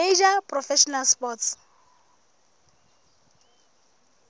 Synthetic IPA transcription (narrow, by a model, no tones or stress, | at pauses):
eʒapʼrɔfɛʃɔnalspɔts